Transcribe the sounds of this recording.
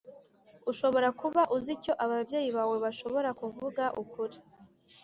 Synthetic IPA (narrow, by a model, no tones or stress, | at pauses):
uʃo̞βo̞ɾakuβaʔuzico̞ʔaβavɟje̞ːjiβaːwe̞βaʃo̞βo̞ɾakuvuɡaʔukuɾi